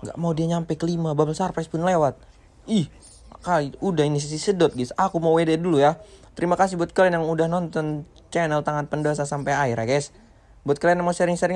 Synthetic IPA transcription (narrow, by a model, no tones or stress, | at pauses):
ŋɡa̰ʔmaudiaɲampɛkəlimababəlsarfɛspʊnlewat̪̚ | ih | akaliudahinis̬isisədɔt̪̚ɡisʔakumauwededulujat̪əɾimakas̬ihbuat̪̚kəlɛnjaŋudahnɔnt̪ɔn | t͡ʃɛnəlt̪aŋat̪̚pəndoas̬asampajaɪɾaɡɛs | buat̪kəlɛnjamasəɾɪŋsəɾɪŋ